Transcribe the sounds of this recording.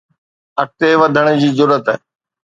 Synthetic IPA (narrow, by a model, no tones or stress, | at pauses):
ɐk̚t̪eʋɐd̪ʱəɽ̃d͡ʑiːzʊɾət̪ɦ